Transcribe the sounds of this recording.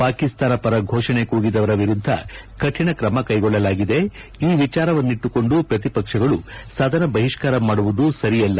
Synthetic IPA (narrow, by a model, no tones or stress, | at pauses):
paːkist̪aːnɐpɐɾɐɡʱoːʂɐɳe̞kuːɡid̪ɐʋɐɾɐʋiɾud̪ʱːɐ̰ | kɐʈʰiɳɐkɾɐmɐkɐjɡɔɭːɐlaːɡid̪e̞ | iːʋit͡ʃaːɾɐʋɐnːiʈːuko̞ɳɖupɾɐt̪̬ipɐkʂɐɡɐɭusaːd̪ʱɐnɐbɐɦiʂkaːɾɐmaːɽuʋud̪usɐɾijɐlːɐ